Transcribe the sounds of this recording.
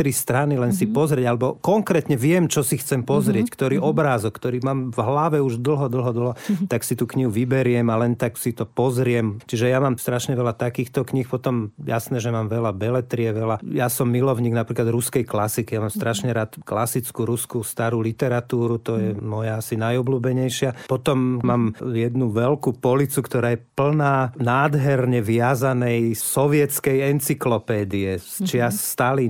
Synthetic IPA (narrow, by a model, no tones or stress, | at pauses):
ɾist̪ɾanilɛnsipɔzɾɪɛɟalɛbɔkɔŋkɾɛːt̪ɲɛʋɪɛmt͡ʃɔsixt͡sɛmpɔzɾɪɛckt̪ɔɾiːʔɔbɾaːzɔkkːt̪ɔɾiːmaːmvɦlaʋɛuʒd̪l̩ˠɦɔd̪l̩ˠɦɔd̪l̩ˠɦɔt̪aksit̪uːkɲiɦuʋibɛɾɪɛmalɛnt̪aksit̪ɔpɔzɾɪɛmt͡ʃiʒɛjamaːmst̪ɾaʃɲɛʋɛlat̪akiːxt̪ɔkɲixpɔt̪ɔmja̰snɛːʒɛmaːmʋɛlabɛlɛt̪ɾiɛʋɛlajasɔmːilɔʊɲiːɡnapɾiːklad̪ɾuskɛjklasikijamaːmst̪ɾaʃɲɛɾaːt̪klasit͡skuɾuskust̪aɾuːlit̪ɛɾat̪uːɾut̪ɔjɛmɔjaasinajɔbluːbɛɲɛjʃɪapɔt̪ɔmmaːmjɛd̪nuʋɛlkupɔlit͡sukt̪ɔɾaːjɛpl̩naːnaːd̪ɦɛɾɲɛʋɪazanɛjsɔʋɪɛt͡skɛjɛnt͡siklɔpɛːd̪iɛst͡ʃɪasst̪ali